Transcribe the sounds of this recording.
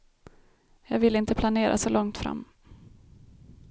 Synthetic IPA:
jɑːɡvɪlːəɪnt̪əpʰlaneːɾʔa̰sɔlɔŋt̪fɾa̰mː

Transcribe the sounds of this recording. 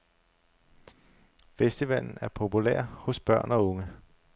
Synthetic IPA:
fesd̥iʋæl̰n̩æɐpʰo̝pulḛɐ̰hɔ̽sb̥ɶɐ̰nɒ̽ɔ̽ŋə

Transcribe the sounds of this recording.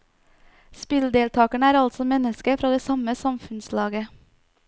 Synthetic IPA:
spɪld̪eːlt̪ʰɑːkæɳəæːɾɑlt̪sɔmɛnəskəfɾɑːd̪eːsɑməsɑmfʉnslɑːɡə

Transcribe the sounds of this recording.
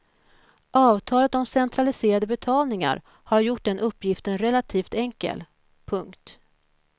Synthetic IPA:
ʔɑːvt̪ʰɑːlət̪ɔmsɛnt̪ʰɾalɪseːɾad̪əbɛt̪ʰɑːlnɪŋa̰ɾ | haɾjʊʈːd̪ɛnʔɵpːjɪft̪ənɾɛlat̪ʰiːft̪ɛŋkə̰l | pʰɵŋkt̪

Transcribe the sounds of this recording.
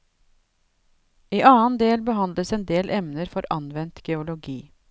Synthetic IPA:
iːʔɑːnd̪eːlbəhɑnd̪ləsɛːnd̪eːlʔɛmnəɾfɔɾɑnʋɛnt̪ɡ̥ɛʊlʊɡiː

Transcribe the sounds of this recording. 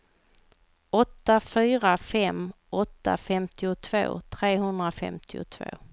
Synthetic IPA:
ɔt̪ːafyːɾafɛm | ɔt̪ːa̰fɛmt̪ɪʊt̪ʰvo̰ːt̪ʰɾeːɦɵnd̪ɾafɛ̰mt̪ʰɪʊ̰t̪ʰvo̰ː

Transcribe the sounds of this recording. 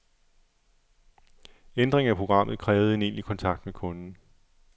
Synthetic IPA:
end̥ʁeŋæpʰʁo̝ɡ̥ʁɑ̈m̰ð̩ˠkʰʁɛːʊð̞̩ˠe̝ne̝̰ːnlikʰɒ̽nt͡sʰɑ̈ɡ̥d̥mekʰɔ̽nn̩

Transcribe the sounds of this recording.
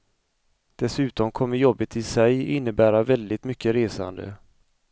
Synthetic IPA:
d̪̥ɛsʉ̟ːt̪ɔmkʰɔmːəɾjɔbːət̪ʰɪsɛjɪnːəbæːɾavɛld̪ɪt̪mʏkːəɾeːsa̰nd̪ə̰

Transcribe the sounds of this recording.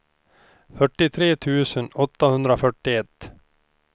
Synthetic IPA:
fœʈːɪt̪ʰɾeːt̪ʰʉ̟ːsənɔt̪ːahɵnd̪ɾafœʈːɪɛt̪ː

